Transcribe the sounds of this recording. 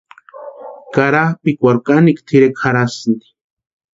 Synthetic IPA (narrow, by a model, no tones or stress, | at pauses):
kaɾapikʷaɾkanikt̪ʰiɾekxaɾasnd̪i̥